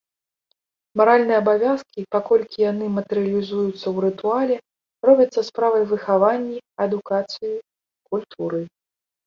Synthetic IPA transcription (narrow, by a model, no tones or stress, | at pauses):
maɾalʲnɨjɛɐbavʲaskʲipakɔlʲkʲijanɨmɐt̪ɛɾɨɐlʲizujut̪sːɐwɾɨt̪ualʲɛ | rɔbʲɐt̪sːɐspɾavɐjvɨxavanʲːiɐd̪ukat̪sɨji | kulʲt̪ʰuɾɨ